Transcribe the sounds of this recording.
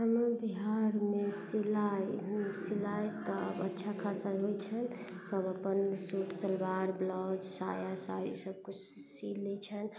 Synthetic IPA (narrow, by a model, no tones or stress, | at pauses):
əməbiɦaɾmesilajɦusilajt̪əbə̰tːʃʰakʰasaɦojt͡ʃʰənsəbəpənsuʈʰsəlbaɾblɔd͡ʒsa̰jasa̰j̰səb̚kut͡ʃʰ | silːɛt͡ʃʰən